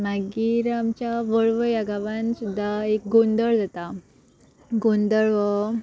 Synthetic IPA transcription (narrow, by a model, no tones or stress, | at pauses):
maɡiɾamt͡ɕjaʋəɭʋəjaɡaʋansud̪ʱːaek̚ɡõnd̪əɭd͡zat̪a | ɡond̪əɭʋə